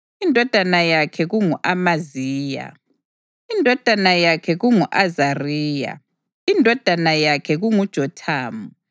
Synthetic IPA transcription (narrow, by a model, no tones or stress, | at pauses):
indʱɔd̥ʱanajakʰɛɣuŋuʔamaziːja̰ | indʱɔd̥ʱanajakʰɛɣuŋuʔazariːja̰ | indʱɔd̥ʱanajakʰɛɣuŋud̥ʒ̥ʱɔtʰaːmu